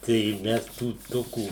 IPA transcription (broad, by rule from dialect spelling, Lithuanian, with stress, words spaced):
tɐɪ ˈmʲɛs tuː ˈtoːkuː